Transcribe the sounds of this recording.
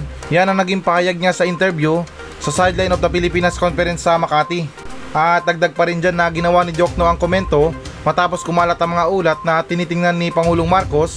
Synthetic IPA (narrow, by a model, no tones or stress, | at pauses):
janɐŋnɐɡiŋpɐhɐjaɡ̚ɲasɐʔɪnt̪ɛɾbju | sɐsajd̪lajnofd̪ɐpɪlɪpiːnɐskonfɛɾɛnsːɐmɐkaːt̪i | ʔɐt̪d̪ɐɡ̚d̪aɡ̚pɐɾɪnd͡ʒanːɐɡɪnɐwanɪd͡ʒok̚noʔɐŋkomɛnt̪o̞mɐt̪aːpo̞skʊmaːlɐt̪ɐŋmɐŋaʔuːlɐt̪̚nɐt̪ɪniːt̪ɪŋnanːipɐŋuːloŋmaɾko̞s